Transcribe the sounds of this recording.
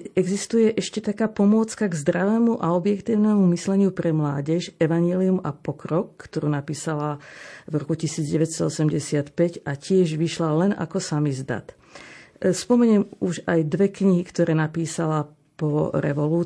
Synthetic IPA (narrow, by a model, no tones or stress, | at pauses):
ɛɡzist̪ujɛʔɛʃcɛt̪akaːpɔmʊɔt͡skaɡzd̪ɾaʋɛːmuʔaɔbjɛkt̪iːʊnɛːmumislɛɲɪupɾɛmlaːɟɛʃɛʋaɲjɛliumapɔkɾɔkːt̪ɔɾuːnapiːsalavɾɔkucisiːd͡zɟɛʋɛcst̪ɔɔsɛmɟɛsɪat̪pɛcacɪɛʒʋiʃlalɛna̰kɔsamizd̪a̰t̪ | spɔmɛɲɛmuʒajd̪ʋɛkɲiɦikt̪ɔɾɛːnapiːsala | pɔɾɛ̰ʋɔluː